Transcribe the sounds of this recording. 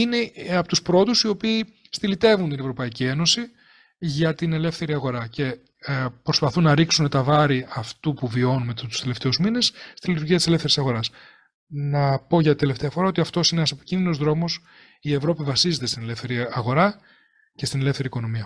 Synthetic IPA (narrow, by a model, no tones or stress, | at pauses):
ine̞ɐpot̪uspɾo̞t̪usio̞piː | st̪ilit̪e̞vunt̪ine̞vɾo̞pɐicie̞no̞si | ʝɐt̪ine̞le̞fθe̞ɾiɐɣo̞ɾɐce̞ | pɾo̞spɐθunːɐɾiksunet̪ɐvɐɾiɐft̪upuvio̞numet̪t̪u̥st̪ele̞ft̪e̞uzmine̞sst̪ilit̪uɾʝiɐt̪iselefθeɾisɐɣo̞ɾɐs | nɐpo̞ʝɐt̪it̪e̞left̪eɐfo̞ɾɐo̞t̪iɐft̪o̞sineɐsepi̥cinðino̞zðɾo̞mo̞s | ie̞vɾo̞pivɐsize̞t̪est̪ine̞le̞fθe̞ɾiɐɣo̞ɾɐ | ce̞st̪ine̞le̞fθe̞ɾiːkono̞miɐ